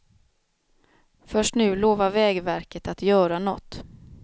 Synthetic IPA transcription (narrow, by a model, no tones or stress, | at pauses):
fœʂʈnʉ̟ːloːvavɛːɡvæɾkət̪at̪jœːɾanɔ̰t̪ː